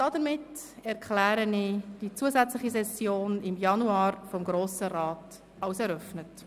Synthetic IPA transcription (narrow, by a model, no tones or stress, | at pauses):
d̥ɑdəɾmɪt | ɛɾkʰlæːɾənid̥it͡suəzæt͡sləχisɛsjoːnɪmjɑnuɑːɾfɔmɡɾoːsəɾɑːt | ɑʊsɛɾœfnət